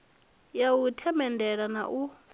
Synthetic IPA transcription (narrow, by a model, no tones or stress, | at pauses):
jawutʰɛmɛndʱɛɺana̰ʔu